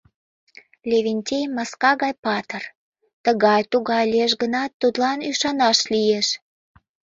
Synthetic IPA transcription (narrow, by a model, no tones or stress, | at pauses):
lʲevʲenʲtʲejmɑskɑɣɑjpɑt̪ər | t̪əɣɑjt̪uɣɑjlʲeʃ̬ɡənɑt̪ːud̪lɑnyʃɑnɑʃlijeʃ